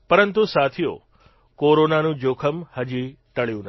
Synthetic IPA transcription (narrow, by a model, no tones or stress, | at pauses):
pəɾənt̪usat̪ʰijo̰ | koɾonanũd͡ʒokʰəmhəd͡ʒit̪əɭjũn